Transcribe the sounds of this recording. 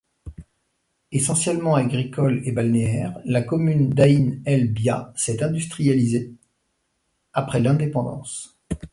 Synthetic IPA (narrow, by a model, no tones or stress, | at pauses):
esɑ̃sjɛlmɑ̃aɡʁikʰɔlebalneɛʁlakɔmynd̪ainɛlbjasɛt̪ɛ̃d̪yst̪χijalize | apχɛlɛ̃d̪epɑ̃d̪ɑ̰̃s